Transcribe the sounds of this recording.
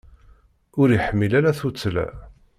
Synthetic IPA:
ʊɾiħəmːilæɾæθut͡sːəlæ̰

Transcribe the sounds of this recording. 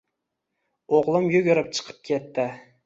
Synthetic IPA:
oʁlˠɪmjʊɡʲʊɾɪp̚t͡ʃʰɨ̥qʰɨ̥p̚kʲʰet̪ːɪ

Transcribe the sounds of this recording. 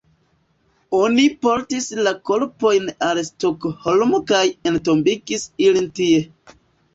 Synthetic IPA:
o̞nipo̞ɾtislako̞ɾpo̞jnalstokholmokajento̞mbiɡisilintie̞

